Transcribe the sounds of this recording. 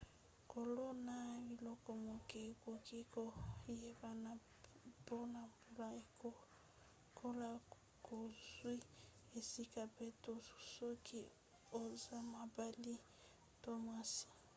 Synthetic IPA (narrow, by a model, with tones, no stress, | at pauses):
ko˨lo˦na˦βi˨lɔ˦kɔ˨mo˨ke˨ko˨ke˦kɔ˦je˦ba˦na | b̥ɔ˦na˨bu˦la˦e˨ko˦ | kʰo˦la˦ | ko˨zwi˦ | e˨si˦ka˨pɛ˦to˨su̥˨so˦kʰi˨ | o˦za˦ma˨ba˦li˦ | to˦ma˦si̥˨